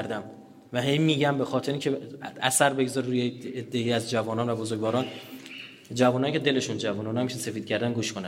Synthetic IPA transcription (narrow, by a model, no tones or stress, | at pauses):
ɾd̪æm | væɦe̞jmiːɟæmbe̞xɒːt̪ʰe̞ɾeincʰeæsæɾbe̞ɡzɒːɾɾuːjeed̪ːeiæzd͡ʒævɒːnɒːnvæbozoɾɡvɒːɾɒːn | d͡ʒævuːnɒːjicʰe̞d̪e̞le̞ʃund͡ʒævuːnonæmiʃse̞fiːd̪̥̚cʰæɾd̪ænɡuːʃkʰonæn